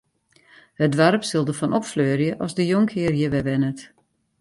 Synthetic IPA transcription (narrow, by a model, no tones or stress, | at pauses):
hədʋarpsɪlˠdəfɔnɔpfløːrjəʔɔzdəjoŋkʰɪərjəʋɛʋɛnət